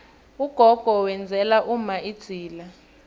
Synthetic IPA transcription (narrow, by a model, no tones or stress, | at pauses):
uɡ̥ʱɔɡ̥ʱɔwɛnd͡zʱɛlaʔumaid̥ʱiːla